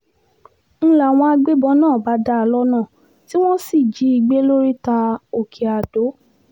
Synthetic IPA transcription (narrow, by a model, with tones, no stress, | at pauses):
n̩˦la˨w̃ɔ̃˧a˧ɡ͡be˦bɔ˧˦nãː˦˨ba˨˦da˧˦˧lɔ˦nãː˦˨ | ti˦w̃ɔ̃˦si˦˨d͡ʒi˨˦i˧˨ɡ͡be˦lo˦ɾi˦ta˧o˨kʰi˨a˨d̥o˨˦